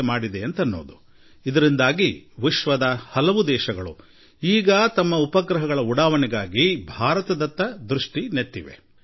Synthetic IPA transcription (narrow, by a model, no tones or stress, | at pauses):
maːɽid̪eɐnt̪ɐnːo̞ːd̪u | id̪ɐɾind̪aːɡiʋiʃʋɐd̪ɐhɐlɐʋud̪ɛːʃɐɡɐɭṵ | iːɡɐt̪ɐmːɐupɐɡɾɐɦɐɡɐɭɐuɽaːʋɐnɛɡaːɡibʱaːɾɐt̪ɐd̪ɐt̪ːɐd̪ɾuʂʈinet̪ːiʋe̞̰